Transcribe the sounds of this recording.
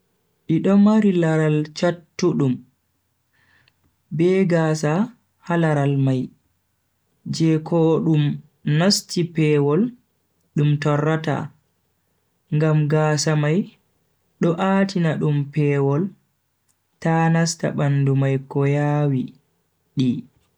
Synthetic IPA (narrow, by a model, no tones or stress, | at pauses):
ʔiɗɔmaɾilaɾalt͡ʃatːuɗum | bɛɡaːsa | halaɾalmaj | d͡ʒɛkʰɔɗum | nastipɛːwɔl | ɗumtɔrːata̰ | ŋɡamɡaːsamaj | ɗɔʔaːtinaɗumpɛːwɔl | tanasta̰ɓandumajkɔjaːwi | ɗi